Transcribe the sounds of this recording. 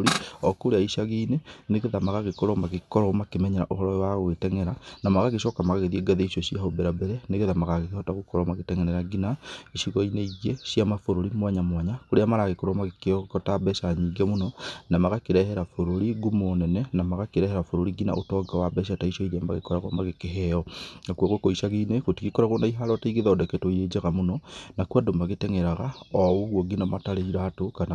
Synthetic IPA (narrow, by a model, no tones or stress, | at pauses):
ɾiɔkoɾeaiʃaɣeːneneɣeðamaɣaɣekɔɾɔmaɣekɔɾɔmakemɛɲɛɾa̰ʔoɦɔɾɔwaɣwetɛŋɛɾanamaɣaɣeʃɔkamaɣaɣeðieɡaðeiʃjɔʃiahobɛɾabɛɾɛneɣeðamaɣaɣeɣhɔtaɣokɔɾɔmaɣetɛŋɛnɾɛɾaɡinaiʃiɣɔineiɣeʃjamafoɾoɾimwaɲamwaɲakoɾeamaɾaɣekoɾɔmaɣekekɔtabɛʃaɲiːɡɛmonɔnamaɣakeɾɛhɛɾafoɾoɾiɡumonɛnɛnamaɣakeɾɛhɛɾafoɾoɾiɡina̰ʔotɔɡawabɛʃ̬ataiʃɔiɾeama̰ɣekɔɾaɣɔmaɣekeɦɛjɔnakwaɣwekoiʃaɣineɣotiɣikɔɾaɣonaiɦalɔtaiɣeðaɔdɛkɛtoiɾed͡ʒaɣamonɔnakwadomaɣetɛŋɛɾaɣaɔuɣwɔɡinamataɾeiɾatokana